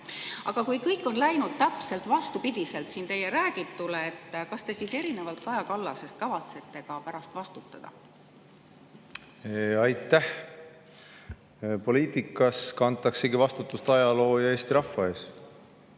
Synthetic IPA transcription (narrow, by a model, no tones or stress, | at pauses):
ʔɑɡ̥ɑkujkɤjkːˑo̞nlæjnud̪̥̚t̪æpse̞lt̪vɑst̪upid̪̥ʲise̞lt̪siːnt̪e̞jeɾæːɡ̥it̪ːˑuleet̪ːkɑst̪e̞sise̞ɾine̞vɑlt̪kɑjɑkɑlːɑse̞st̪̚kɑvɑt̪se̞t̪ːe̞kɑpæɾɑst̪vɑst̪ut̪ːˑɑd̪̥ɑ̰ | eɑjt̪ːæh | po̞liːt̪ʲˑikːˑɑskɑnt̪ˑːɑkseɡivɑst̪ut̪ːˑust̪ɑjɑlo̞ːjɑe̞ːst̪iɾɑfːɑe̞ːs